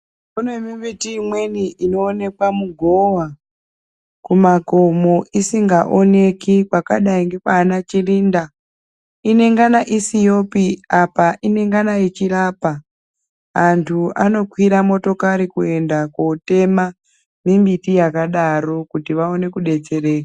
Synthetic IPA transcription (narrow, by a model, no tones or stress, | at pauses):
munwemimbitiːmwe̞niino̞ːne̞kwamuɡʱo̞wa | kumako̞mo̞isiŋɡaʔo̞ne̞kikwaka̰ɗaiŋɡe̞kaːnat͡ʃiriːnda | ine̞ŋɡanaʔisijo̞piapaʔine̞ŋɡanait͡ʃirapaː | ntʰua̰no̞kwiɾamo̞to̞kaɾikue̞ndakote̞ma | mimbitijakaɗaɾo̞kutiʋao̞ne̞kuɗe̞t͡se̞re̞ːka